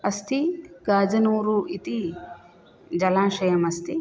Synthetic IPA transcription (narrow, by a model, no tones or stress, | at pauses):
ɐst̪ʰiɡaːd͡ʒɐnuːɾuʔit̪i | d͡ʒɐlãːʃɐjɐmɐst̪ʰi